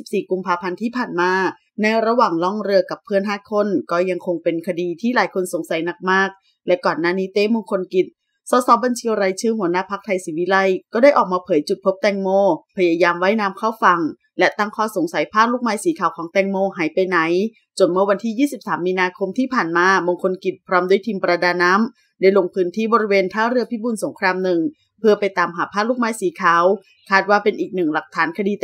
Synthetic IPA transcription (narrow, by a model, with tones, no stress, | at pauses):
si˨˩p̚siː˨˩ku˧mpʰaː˧pʰa˧nt̪ʰiː˥˩pʰaː˨˩nmaː˧ | na˧jɾa˧waː˨˩ŋlɔ˥˩ŋɾɯ˧ɐka˨˩pʰːɯ˥˩ənɦaː˥˩t̪̚kʰo˥˨nkɔː˥˩ja˧ŋkʰo˧ŋpe˧nkʰa˧diː˧t̪ʰiː˥˩laː˨˩˦jkʰo˧nso˨˩˦ŋsa˨˩˦jna˨˩k̚maː˥˩k̚ | lɛ˦˥kɔː˨˩nːaː˥˩niː˦˥t̪eː˦˥˨moː˧ŋkʰo˧nki˨˩t̪̚ | sɔː˨˦sɔː˨˦ba˧nt͡ɕʰi˧ɾa˧jt͡ɕʰɯː˧˩hu˩˦ənaː˥˩pʰa˦˥k̚t̪ʰa˧jsiː˨˦wi˦˥la˧˥˨jkɔː˥˩daː˥˩jʔɔː˨˩k̚maː˧pʰɤː˨˦jt͡ɕu˨˩t̚pʰo˦˥p̚t̪ɛː˧ŋmoː˧˩pʰa˧jaː˧jaː˧mwa˦˥jnaː˧mkʰaː˥˩wfa˧ŋ | lɛ˦˥t̪a˥˩ŋkʰɔː˧˥˩so˩˦ŋsa˨˦jpʰaː˥˩luː˥˩k̚maː˧˥jsiː˩˦kʰaː˩˦wkʰɔː˨˩˦ŋt̪ɛː˧ŋmoː˧ɦaː˩˦jpa˧jna˩˦j | t͡ɕo˨˩nmɯ˥˩ɐwa˧nt̪ʰiː˥˩jiː˥˩si˨˩p̚saː˩˦mːiː˧naː˧kʰo˧mt̪ʰiː˥˩pʰaː˨˩nmaː˧moː˧ŋkʰo˧nki˨˩t̪̚pʰɾɔː˦˥mdu˥˩əjt̪ʰiː˧mpɾa˧daː˧nːaː˦˥m | daː˥˩jlo˧ŋpʰɯː˦˥nt̪ʰiː˥˩bɔː˧ɾi˦˥weː˧nt̪ʰaː˥˩ɾɯ˥ɐpʰiː˦˥˩buː˧˨nso˨˩˦ŋkʰɾaː˧mnɯ˨˩ŋ | pʰɯ˥˩ɐpa˧jt̪aː˧mɦaː˨˩˦pʰaː˥˩t̚luː˥˩k̚maː˧˥jsiː˩˦kʰaː˩˦w | kʰaː˥˩t̪̚waː˥˩pe˧nʔiː˨˩k̚nɯ˨˩ŋla˨˩k̚t̪ʰaː˩˦nkʰa˧diː˧